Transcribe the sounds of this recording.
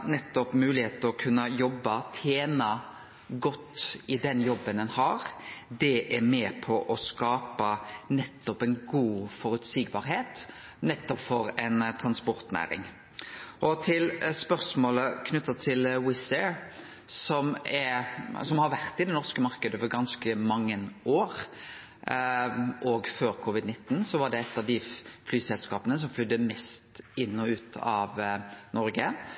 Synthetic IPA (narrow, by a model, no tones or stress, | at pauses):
nɛt̪ːɔpmʉːlɪheːt̪əɔkʰʉnːəjɔbːɑt̪ʰeːnɑ | ɡɔt̪ːɪd̪ɛnjɔbːənɛnhɑːɾd̪ɛʔæɾmeːpʰɔʔɔskɑːpɑnɛt̪ːɔpɛnɡuːfɔɾʉt̪siːɡbɑːɾheːt̪ | nɛt̪ːɔpfɔɾɛnt̪ʰɾɑnspɔɾt̪næ̰ːɾɪ̰ŋ | ʔɔt̪ʰɪlspœɾsmoːləkʰnʉt̪ːɑt̪ʰɪlwɪsɛɾ | sɔmɛsɔmhɑɾʋæʁt̪ɪd̪ɛnɔʁskəmɑɾkəd̪əʋəɾɡɑnskəmɑŋːənoːɾ | ʔɔɡføːɾkʰʊʋɪd̪nɪt̪ːnsɔʋɑɖɛɛt̪ːɑʋd̪ɪflyːsɛlskɑːpənəs̬ɔmflʏd̪ːəmɛst̪ɪnːɔʉːt̪ʰɑʋnɔɾɡə